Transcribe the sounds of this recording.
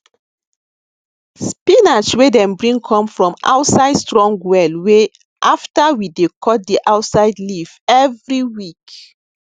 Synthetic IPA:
spinat͡ʃwedɛ̃mbɹĩŋkʰɔ̃mfɹɔ̃ma̰wtsaɪdstɹɔ̃ŋɡwɛlwe | ʔaftawidekʰɔt̚diʔawtsaɪdlivɛvɹiwik

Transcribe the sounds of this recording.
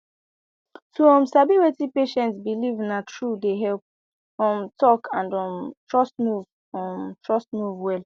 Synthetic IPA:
tʰuɔ̃msabiwetipeʃɛ̃ntsbilivnatʰɹudeɦɛlp̚ | ɔ̃mtɔkʰãndɔ̃mtɹɔstmuv | ɔ̃mtɹɔstmuvwɛl

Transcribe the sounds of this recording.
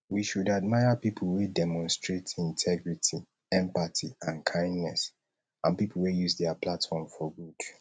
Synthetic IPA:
wiʃudad̚maɪapipʰl̩wedɛmɔ̃nstɹetĩntʰɛɡɹitʰi | ɛ̃mpatʰiãnkʰãɪ̃ndnɛs | ãnpipʰl̩wejuzdɛaplatfɔmfɔɡud̥

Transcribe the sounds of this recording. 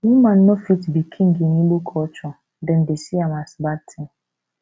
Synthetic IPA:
numan̩nɔfitbikʰiŋ̩ɡiniɡ͡bokʰɔt͡ʃɔ | dɛndesiamasbatʰɛ

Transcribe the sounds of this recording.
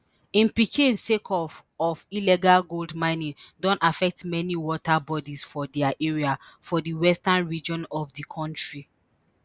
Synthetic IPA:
ĩnpikʰĩnsekʰɔfɔvilɛɡalɡoldmãɪ̃nĩdɔ̃nafɛk̚tmɛniwɔtabɔdisfɔdɛaʔɛɹiafɔdiwɛstãnɹid͡ʒɔ̃nɔvdikʰɔ̃ntɹi

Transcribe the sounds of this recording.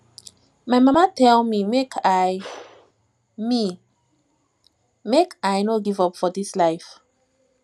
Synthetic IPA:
majmamatɛlmimekʰaj | mi | mekajnoɡivɔpfɔdislaɪf

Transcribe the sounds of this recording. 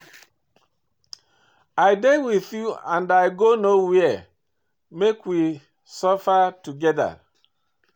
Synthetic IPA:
ajdewiθjuã̰ndaɪɡonowiɛ | mekwi | sɔfatuɡɛda̰

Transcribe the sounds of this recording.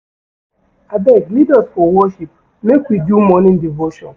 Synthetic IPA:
adɛɡlidasfɔwɔʃip | mekʷidumɔnɪn̩divoʃɔn

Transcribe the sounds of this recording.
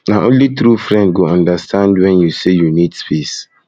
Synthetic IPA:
naʔõnlitɾufɾɛ̃ndɡoɔ̃ndastʰãndwɛ̃njusejunitspis

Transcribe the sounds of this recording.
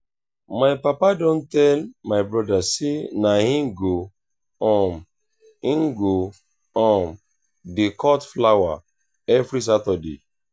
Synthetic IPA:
maɪpapadõntɛlmaɪbɹɔdasenahĩmɡo | ɔ̃m | ĩŋɡo | ɔ̃m | dekɔtflawa | ɛvɾis̬atɔdḛ

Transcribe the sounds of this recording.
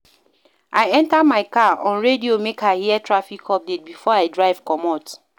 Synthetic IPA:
ʔaɪɛ̃ntamaɪkaɔ̃nɹediomekʰahiɛtʰɹafikʰɔp̚det̚bifɔaɪdɹaɪv̥kɔmɔt

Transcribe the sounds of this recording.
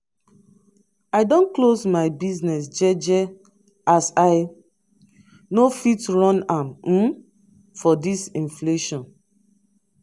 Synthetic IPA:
aɪdɔ̃nklosmaɪbiznɛsd͡ʒɛd͡ʒɛ | asaɪ | nofitɹɔ̃nãm̩ | fɔdisĩnfleʃɔ̃n

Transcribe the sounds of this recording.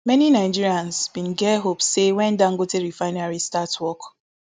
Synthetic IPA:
mɛninaɪd͡ʒiɹiãnsbĩnɡɛɦopssewɛ̃ndãŋ̩ɡoteɹifaɪ̃naɹistatwɔk

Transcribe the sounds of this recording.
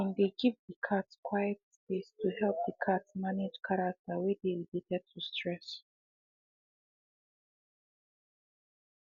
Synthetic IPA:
ɛ̃ndeɡivðəkʰadskʰwajɛt̚spestʰuhɛlp̚ðəkʰadsmanɪd͡ʒkʰaɹak̚tʰəwɛdeiditɛd̚tʰustʰɹɛs

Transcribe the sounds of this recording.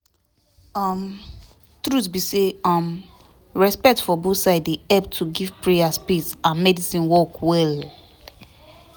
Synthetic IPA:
ɔm | tɾutsbiseɔm | ɹɛspɛk̚tfɔbosaɪdiɛb̚tʰuɡivpɹeaspisãnmɛdisĩnwɔkwɛl

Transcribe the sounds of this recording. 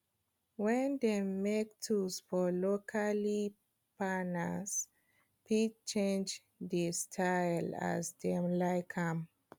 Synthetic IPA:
wɛ̃ndemek̚tʰusfɔlokʰali | panəs | pit͡ʃẽnd͡ʒ | distʰajla̰zdɛ̃mlaɪkhãm

